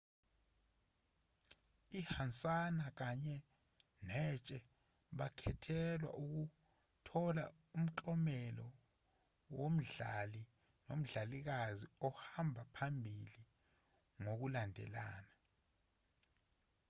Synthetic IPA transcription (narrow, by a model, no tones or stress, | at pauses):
ihant͡sʼanak̬aɲɛ | nɛt͡ʃʼɛ | ɓakʰɛtʰɛlwa̰ʔuk̬u | tʰɔla̰ | um̩ǁɔmɛlɔ | wom̩ɮali | nom̩ɮalik̬aziɔhambʱapʰambʱili | ŋok̬ulandʱɛ̰laːna